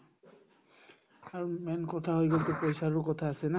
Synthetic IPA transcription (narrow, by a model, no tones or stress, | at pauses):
aɹumɛnkɔt̪ʰaɦojɡɔlt̪ɛpojsaɹukɔt̪ʰaːsɛna